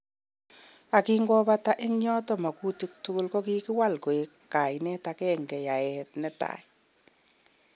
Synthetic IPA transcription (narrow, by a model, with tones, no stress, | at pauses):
a˨ki˦ŋɡɔ˦ba˦ta˦ʔɪ˦ŋɲɔ˦tɔ˦ma˨ku˦tu˦k̚tʊ˦kʊ˦lkɔ˦ki˦kɪ˦wa˦lko˨e˨kːa˨jnɛ˦ta˨kɛ˦ŋɡɛ˨ja˨ɛ˨t̚nɛ˦ta̰˨j